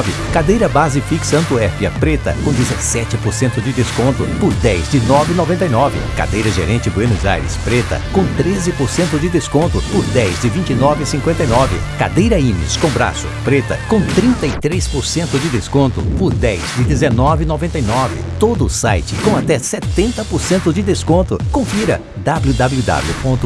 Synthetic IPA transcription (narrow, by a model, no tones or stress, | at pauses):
vɪ̰kad̪ejɾɐbazɪfiksɐ̃nt̪uɛfiɐ̰pɾet̪ɐ̰kõd͡ʒ̪ɪzesɛt͡ʃɪpoɾsẽnt̪ʊd͡ʒɪd̪eskõnt̪ʊpʊɾd̪ɛjzd͡ʒɪnɔvɪnovẽnt̪ɐjnɔvɪ̰ka̰d̪ejɾɐʒḛɾẽt͡ʃɪbwẽnʊza̰jɾɪ̰spɾet̪ɐ̰kõt̪ɾezɪpoɾsẽnt̪ʊd͡ʒɪd̪eskõnt̪ʊpʊɾd̪ɛjzd͡ʒɪvĩt͡ʃinɔvɪsĩŋkwẽnt̪ɐjnɔvɪ̰kad̪ejɾɐĩmɪ̰skõbɾa̰sʊ̰pɾet̪ɐ̰kõt̪ɾĩnt̪ɐit̪ɾespʊɾsẽnt̪ʊd͡ʒɪd̪eskõnt̪ʊ̰pʊɾd̪ɛjzd͡ʒɪd̪ezenɔvɪnovẽnt̪ɐjnɔvɪ̰t̪od̪ʊːsa̰jt͡ʃɪkõat̪ɛset̪ẽnt̪ɐpoɾsẽnt̪ʊd͡ʒɪd̪eskõnt̪ʊkõfiɾɐ̰ | d̪ablud̪ablud̪a̰bljupõnt̪ʊ